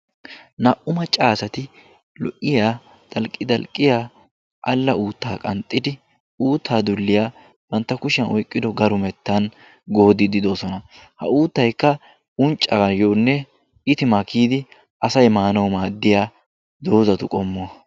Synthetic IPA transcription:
nɐʔʊmɐt͡ʃʼaːsɐt̪ɪ | lɔ̰ʔɪjaː | t̪ʼɐlkʼːɪd̪ɐlkʼːɪjaː | ʔɐlːɐʔuːt̪ːaːkʼɐnt̪ʼːɪd̪ɪ | uːt̪ʰːaːd̪ʊlːɪjaː | b̥ɐnt̪ːɐkʊʃɪjɐnɔjkʼːɪd̪ɔɡɐɾʊmɛt̪ːɐn | ɡoːd̪ɪd̪ɪd̪o̞ːsɔnɐ | hɐ̰uːt̪ːɐjkːɐ | ʊnt͡ʃʼːɐɡɐjoːnːɛ | ɪt̪ɪmakʰiːd̪ɪ | ʔɐsɐjmaːnɐwmaːd̪ːɪjaː | d̪o̞ːzɐt̪ʊkʼɔmːɔ

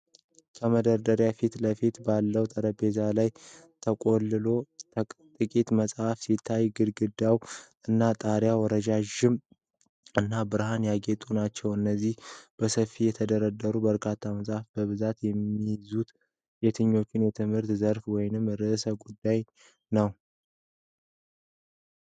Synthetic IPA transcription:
kʰəməd̪əɾd̪əɾjafit̪ləfit̪balːəwt̪ʼəɾəbe̞zalaj | t̪ʰəkʼolːɨlo̞t̪ʼɨkʼit̪məsʼhafsit̪ʰːajɡɨd̪ɡɨd̪awʔɨnːat̪ʼaɾjawɔɾəd͡ʒaʒɪm | ʔɨnːabɨɾhanjaɡet̪ʼunat͡ʃːɛwɨnːəzːihb̥əsəfːijɛt̪ʰəd̪əɾəd̪əɾubəɾkʰat̪ʰːaməsʼhafbəβɨzat̪jɛmːijzut̪ | jɛt̪ʰɨɲːo̞t͡ʃːɪnjɛt̪ʰɨmhɨɾt̪zəɾfwɔjnɨmɾɨsəɡud̪ːaj | nəw

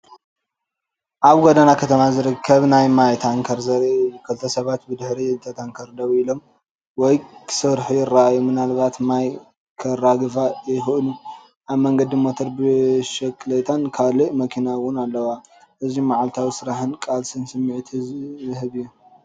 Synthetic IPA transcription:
ʔaβɡod̪anakʰɐt̪ʰɐmazɨɾɨkʰːɐβnajmajt̪ʰaŋkʰɐɾzɐɾukʰɨlt̪ʰɐsɐβat̪̚bɨd̪ɨħɾiɨt̪ʰɐt̪ʰaŋkʰɐɾd̪ɐwilo̞m | wɔjkʰsɨɾħujɪrːaajːomɨnalβat̪maj | kʰɐɾːaɡɨfajɪxɨʔɨnu | ʔaβmɐŋɡɐd̪imot̪ʰoɾbɨʃɐkʼɨlet̪ʰankʰaliʔmɐkʰinawʊnalːɐwa | ʔɨzimaʕalt̪ʰawisɨɾaħɨnkʼalsɨnsɨmːʕit̪ʰhɨβiju

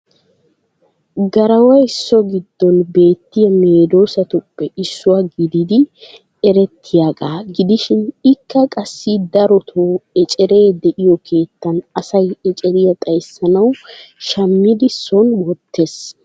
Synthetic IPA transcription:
ɡɐɾɐwɐjɪsːɔɡɪd̪ːɔnbe̞ːt̪ːɪjɐme̞ːd̪o̞ːsɐt̪ʊpːɛʔɪsːʊwɐɡɪd̪ɪd̪ɪ | ɛɾɛt̪ʰːɪjakʼaːɡɪd̪ɪʃɪnɪkːɐkʼɐsːid̪ɐɾɔt̪ʰoːɛt͡ʃʼɛɾe̞ːd̪ɛʔɪjɔkʰe̞ːt̪ːɐnɐsɐjɛt͡ʃʼɛɾɪjɐt̪ʼɐjsːɐnɐwʃɐmːɪd̪ɪsɔnwɔt̪ːe̞s

